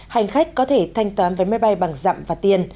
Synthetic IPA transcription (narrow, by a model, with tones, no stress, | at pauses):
ha˨˩jŋ̟xa˦˥k̟̚kɔ˨˦t̪ʰe˧˩t̪ʰa˧jŋ̟t̪waː˨˦nvəː˨˦jmaː˧˥jɓa˧jɓa˨˩ŋza̰ː˧˨mvaː˨˩t̪i˧ən